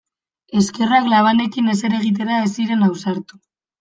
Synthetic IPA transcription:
e̞ske̞raklaβ̞ane̞kine̞se̞ɾe̞ɣ̞it̪̬e̞ɾaesiɾe̞nawsaɾt̪u

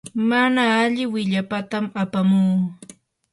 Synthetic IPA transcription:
manaːʎɪwɪʎapat̪amapamuː

